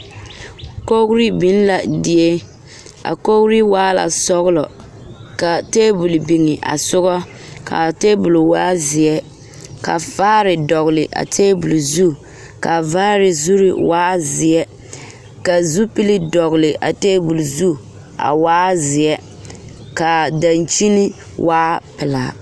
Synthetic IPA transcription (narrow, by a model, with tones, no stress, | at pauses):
ko˦kɾi˦bi˦n˦la˨dɪ˨e˦ | a̰˨ko˦kɾi˦waː˦la̰˨sɔ˦ɣlɔ˨ | ka˨teː˦bu˨lbi˨ŋɪ˨ʔa̰˨sʊ˦ɣɔ˦ | ka̰˨te˦bu˨lwaː˦zɪ˨ɛ˦ | ka̰˨faː˦ɾɪ˨dɔ˨ɣlɪ˨ʔa̰˨tʰeː˦bu˨lzu˦˨ | ka˨vaː˦ɾɪ˨zu˦ɾɪ˨waː˦zɪ˨ɛ˦ | ka˨zu˦pi˦li˦dɔ˨ɣʊ˨lɪ˨ʔa̰˨teː˦bu˨lzu˦˨ | a̰˨waː˦zɪ˨ɛ˦ | ka˨da˨nt͡ʃi˦ni˦ | waː˦pɪ˨la˨